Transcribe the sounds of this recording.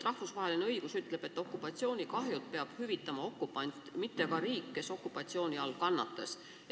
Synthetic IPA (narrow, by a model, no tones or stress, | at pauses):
rɑhfusvɑɦe̞lineɤjɡ̥usyt̪ːˑle̞b̥e̞t̪ːˑo̞kːˑupːˑɑt̪sio̞ːnʲikɑɦjult̪̚peɑb̥hyvit̪ˑːɑmɑo̞kːupːˑɑnʲt̪mit̪ːekɑɾiːkːe̞so̞kːupːˑɑt̪sio̞ːnʲiɑlkɑnːɑ̰t̪ːˑɑs